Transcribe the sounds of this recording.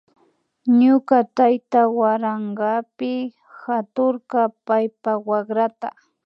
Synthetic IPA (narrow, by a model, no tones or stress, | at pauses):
ɲʊkat̪ajt̪awaɾaɴɢɑpɪ | hat̪ʊɾkapajpawakɾat̪a̰